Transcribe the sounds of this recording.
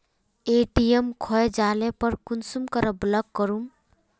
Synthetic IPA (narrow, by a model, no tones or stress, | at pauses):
eʈijemkʰɔed͡ʒalepəɾkunsumkəɾəbləkːəɾum